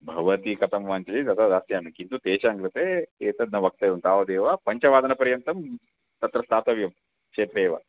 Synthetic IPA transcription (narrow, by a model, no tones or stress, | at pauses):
bʱɐʋɐt̪ikɐt̪ɐmʋaːnt͡ʃɐlit̪ɐt̪ɐd̪aːsjaːnɐkint̪ut̪eːʃaːŋɡɾit̪eeːt̪ɐd̪̚nɐʋɐk̚t̪eːʋunt̪aːʋɐd̪eːʋapɐɲt͡ʃɐʋaːd̪ɐnɐpɐɾjɐnt̪ɐm | t̪ɐt̪ɾɐst̪ʰaːt̪ɐʋjɐm | t͡ʃeːt̪ɾeːʋa̰